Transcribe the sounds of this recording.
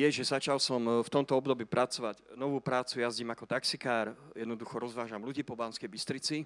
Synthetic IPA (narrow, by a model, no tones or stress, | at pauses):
jɛʒɛzat͡ʃalsɔmft̪ɔmt̪ɔɔbd̪ɔbiːpɾat͡sɔʋaɟnɔʋuːpɾaːt͡sujazɟiːmakɔt̪aksikaːɾjɛd̪nɔd̪uxɔɾɔzʋaːʒamluɟiːpɔbaːnskɛjbist̪ɾit͡si